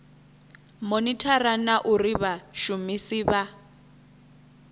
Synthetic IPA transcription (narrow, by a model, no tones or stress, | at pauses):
monitʰaranaʔuriβaʃumisiːβa